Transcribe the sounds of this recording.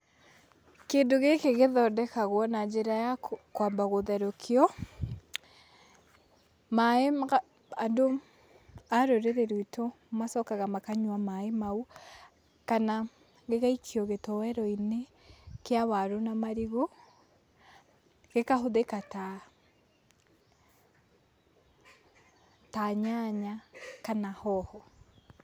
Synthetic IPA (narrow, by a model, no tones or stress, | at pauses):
keːndoɣekeɣeðɔdɛkaɣwɔnad͡ʒeɾajakwaːmbaɣoðɛɾokʰeɔ | maeɣa | ando | aɾoɾeɾeɾeito | masɔkaɣamakaɲwamaemau | kana | ɡekait͡ʃiɔɣetɔwɛɾɔine | kjawaɾonamaɾiɣo | ɡ̥ekaɦoðekata | taɲaɲakanahɔhɔ